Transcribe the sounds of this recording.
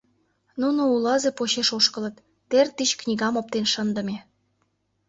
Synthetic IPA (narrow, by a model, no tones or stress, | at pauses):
nunoulɑzepoɕeʃoʃkə̆lə̆t̪ː | ert̪it͡ɕknʲiɣɑmop̚t̪enʃənd̪ə̆me